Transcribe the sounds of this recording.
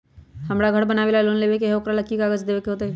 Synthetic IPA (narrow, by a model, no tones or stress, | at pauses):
hɐmɽaɡʱəɽbɐnaːʋeːlaloːnleːʋek̬eɦokɾalɐkːikaːɡəd͡ʒd̪eːʋekeɦoːt̪aɦɛ